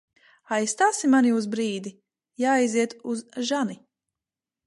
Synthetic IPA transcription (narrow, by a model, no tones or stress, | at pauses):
ajst̪aːsimanjuːs̬bɾiːd̪i | jaːjziɛt̪uzʒani